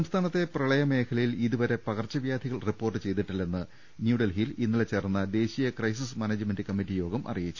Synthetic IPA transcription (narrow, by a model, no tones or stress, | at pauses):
sɐmst̪ʰaːnɐt̪ːe̞prɐɭɐjɐme̞ːkʰɐlɐjiliðuʋɐɾe̞pɐɣɐrt͡ɕːɐʋjaːd̪ʱiɣɐɭripːo̞ːrʈːɨt͡ɕe̞jt̪iʈːilːe̞nːɨ | njuːɽɐlɦilinːilet͡ɕe̞ːrɐnːɐd̪e̞ːɕijɐkrɐjs̬ismɐneːd͡ʑɨmenɖɨkɐmːiʈːijo̞ːɡɐmʔɐ̰rijit͡ɕːu